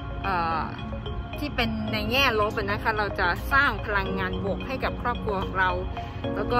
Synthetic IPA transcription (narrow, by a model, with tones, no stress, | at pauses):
ʔɤː˨˩ | t̪ʰiː˥˩pe˧nːa˧jŋɛː˥˩lo˦˥p̚na˦˥kʰa˦˥ɾa˧wt͡ɕa˨˩saː˥˩ŋpʰa˧la˧ŋːaː˧nbo˨˩˦k̚hɦa˥˩jka˨˩p̚kʰɾɔː˥˩p̚kʰɾu˧ɐkʰɔ˨˩˦ŋɾa˧w | lɛː˦˥wkɔː˥˩